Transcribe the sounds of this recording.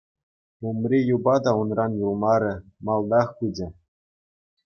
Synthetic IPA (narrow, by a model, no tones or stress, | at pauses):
pumrʲejubɑd̪ɑunrɑnjulˠmɑɾʲɘ̆mɑlˠd̪ɑχkud͡ʑʲɘ̆